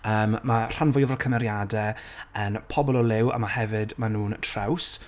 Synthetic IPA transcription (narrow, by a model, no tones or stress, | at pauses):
əːmːar̥anvʊjɔvɔrkʰəmɛɾjadɛənpʰɔbɔlˠɔlˠɪwa̰mahɛvɨdmanuːntʰraws